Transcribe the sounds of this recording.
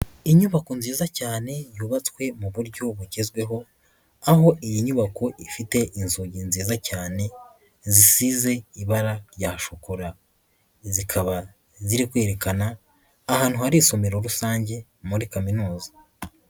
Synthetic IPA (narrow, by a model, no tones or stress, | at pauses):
iɲuβakonziːzacaːne̞juːβat͡swe̞muβuɾɟo̞βuɟezɡwe̞ɦo̞ | aɦo̞ʔijiɲuβako̞ʔifite̞ʔinzoɟinziːzacaːne̞ | zisize̞iβaɾaɾjahaʃokuɾa | zikʰaβa | ziɾikwe̞ːɾe̞kanaː | haːn̥huhaɾiso̞meɾoɾusaːɲɟe̞ | muɾikaminuːzḁ